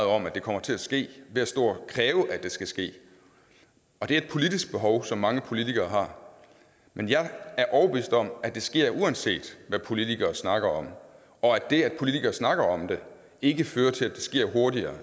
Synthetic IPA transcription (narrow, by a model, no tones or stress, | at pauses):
ɒ̽mæd̥e̝kʰɒ̽m̰ɐt͡sʰe̝læsɡ̥e̝̰ːʋe̝æsd̥o̝̰ːɐkʰʁɛːʊəʔæd̥e̝sɡ̥æsɡ̥e̝̰ː | ɒ̽d̥e̝æɐed̥pʰo̝lid̥isɡ̥̚b̥e̝ɦɒʊsɒ̽mːɑ̈ŋəpʰo̝lit͡sʰiɡ̥ɐːɦɑ̈ | mʔenjɑ̈ɪæɐʔɒʊɐb̥eʋḭsd̥ɒ̽m̰æd̥e̝sɡ̥e̝ɐ̰ʔuænse̝̰ːd̥ʋæpʰo̝lit͡sʰiɡ̥ɐːsnɑ̈ɡ̥ɐɒ̽m | ɒ̽æd̥e̝æd̥pʰo̝lit͡sʰiɡ̥ɐːsnɑ̈ɡ̥ɐɒ̽md̥e̝ | e̝ɡ̥əføːɐt͡sʰe̝læd̥esɡ̥e̝ɐ̰ɦo̝ɐdiɐː